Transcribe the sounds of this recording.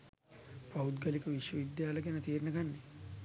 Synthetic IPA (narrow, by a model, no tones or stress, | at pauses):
paud̪ɡəlikəʋiʃʋəʋid̪jaːləɡenət̪iːɾnəɡanːe